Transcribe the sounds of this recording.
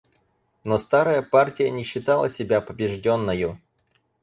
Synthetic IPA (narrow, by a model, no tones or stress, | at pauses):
nost̪aɾəjəpartʲɪjənʲɪɕːɪt̪alˠə̰sʲɪbʲapəbʲɪʐdʲo̞nːəjʊ